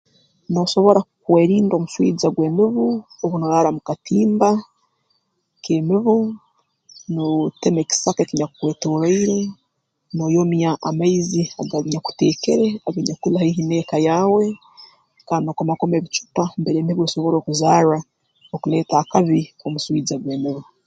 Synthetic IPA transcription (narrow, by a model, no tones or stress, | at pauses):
no̞so̞βo̞ɾakukweːɾiːndo̞ːmuʃwḭːd͡zaɡweːmiβuoβunojaːɾamukatʰiːmba | kemiβu | notemeki̥sakekiɲaku̥kwe̞ːtoːɾaiɾe | noːjomjaʔamaizia̰ɡaβiɲaku̥te̞ːkeɾe̞aɡaɲakulahaiɦineːkajaːwe̞ | kaːnokomako̞meβit͡ʃu̥pambeɾeːmiβueso̞βo̞ɾo̞ːkuzaːɾa | okule̞ːtaːkaβiomuswiːd͡zaɡweːmiβu